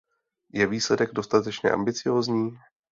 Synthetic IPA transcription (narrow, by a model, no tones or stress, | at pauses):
jɛviːslɛdɛɡdo̞st̪at̪ɛt͡ʃɲɛ̰ʔa̰mbɪt͡sɪjo̞ːzɲiː